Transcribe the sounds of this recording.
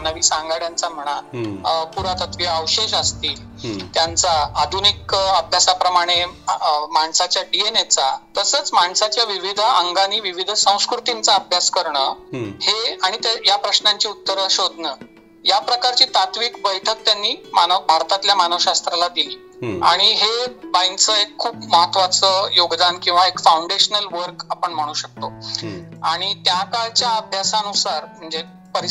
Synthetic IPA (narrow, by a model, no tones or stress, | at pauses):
anəʋiːsaŋɡaɽjant͡sam̤əɽ̃apuɾat̪ət̪ʋiəwɕeɕəst̪iːl | t̪jant͡saːd̪ʱunikəbʱjasapɾəmaɽ̃e | maɳsat͡ɕjaɖienet͡sat̪əsət͡smaɳsat͡ɕjaʋiʋid̪ʱəŋɡaniːʋiʋid̪ʱsə̃w̃skɾut̪int͡saəbʱjaskəɾɳəheaɽ̃it̪ejapɾəɕnãɲt͡ɕiːut̪ːəɾɕod̪ʱnə | japɾəkaɾt͡ɕiːt̪at̪ʋiːkbəjʈʰək̚t̪janːiːmanəbʱaɾt̪at̪ljamanəʋɕast̪ɾalad̪ili | a̰ɽ̃iɦebajnt͡səekʰːuːpməɦat̪ʰʋat͡səjoɡd̪ankĩw̃ʋaekfauɳɖeɕnəlʋəɾkapəɳm̤əɽ̃uːɕək̚t̪o | aɽ̃it̪jakaɭt͡ɕjaəbʱjasanusaɾm̤əɳd͡ze | pəɾi